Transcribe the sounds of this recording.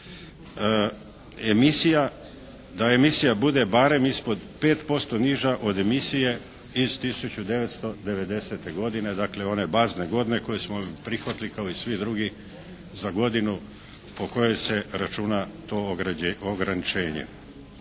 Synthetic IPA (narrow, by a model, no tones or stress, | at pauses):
emisija | d̪ae̞misijabud̪e̞baɾe̞mispo̞d̪pe̞ːt̪po̞st̪o̞niʒaʔo̞d̪e̞misije̞ | iz̥t̪isut͡ɕud̪e̞ʋe̞t̪st̪o̞d̪e̞ʋe̞d̪e̞se̞t̪e̞ɡo̞d̪ine̞d̪akle̞o̞ne̞bazne̞ɡo̞d̪ne̞ko̞jesmopɾixʋat̪likaoisʋid̪ɾuɡi | zaɡo̞d̪inu | po̞ko̞jo̞se̞ɾat͡ʃunat̪o̞oɡɾanit͡ʃe̞ːɲḛ